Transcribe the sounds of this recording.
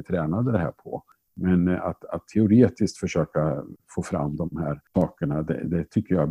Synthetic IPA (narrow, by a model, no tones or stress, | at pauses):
t̪ʰɾɛːnad̪əd̪ɛhæ̰ːɾpʰɔ̰ | mɛna̰t̪at̪ʰːɛʊɾeːt̪ɪskt̪fœʂøːkafoːfɾa̰mːd̪ɔmhæːɾɑːkəɳad̪ɛ̰d̪ɛt̪ʰʏkːəja